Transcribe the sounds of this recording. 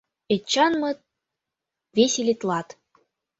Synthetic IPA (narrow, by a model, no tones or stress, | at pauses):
et͡ɕːɑnmɤ̆t̪̚ | vʲeselʲit̪lˠɑt̪